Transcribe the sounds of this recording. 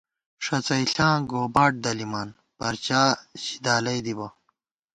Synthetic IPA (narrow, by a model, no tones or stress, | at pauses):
ʂɐt͡sɐiɬãːɡoːbaːʈ̚d̪ɐlimaːn | pɐɾt͡ɕaːɕi̥d̪aːlɐjd̪ibɐ